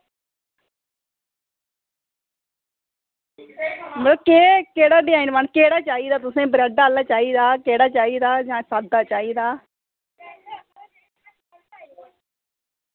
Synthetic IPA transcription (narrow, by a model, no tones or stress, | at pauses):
mələbkeːkeːɽaːɖɪãːĩnʋankeːɽaːt͡ʃaːiːd̪aːt̪ʊsẽːbɾɛɖaːlːaːt͡ʃaːiːd̪aːkeːɽaːt͡ʃaːiːd̪aːd͡ʒãːsaːd̪aːt͡ʃaːiːd̪aː